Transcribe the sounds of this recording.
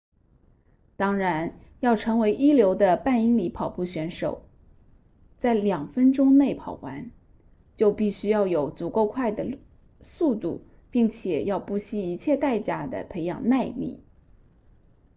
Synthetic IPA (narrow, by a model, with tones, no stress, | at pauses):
t̪ɑ˥ŋɻa˧˥n | jɑ˥˩ʊʈ͡ʂʰɤ˧˥ŋwe˧˥ɪʔi˥ljo˧˥ʊd̪ə˧pa˥˩ni˥ŋli˧˥pʰɑ˨˩ʊpu˥˩ɕɥɛ˧˥nʂo˨˩ʊ | t͡sa˥˩ɪljɑ˨˩ŋfə˥nʈ͡ʂʊ˥ŋne˥˩ɪpʰɑ˨˩ʊwa˧˥n | t͡ɕjo˥˧ʊpi˥˩ɕy˥jɑ˥˩ʊjo˨˩˥ʊt͡su˨˩ko˥˧ʊkʰwa˥˩ɪd̪ə˩ | su˥˧t̪ṵ˥˩ | pi˥˩ŋt͡ɕʰjɛ˨˩jɑ˥˧ʊpu˥˩ɕi˥˩i˧˥t͡ɕʰjɛ˥˧t̪a˥˩ɪt͡ɕja˥˩d̪ə̰˨pʰe˧˥ɪjɑ̰˨˩ŋna˥˧ɪlḭ˥˩˦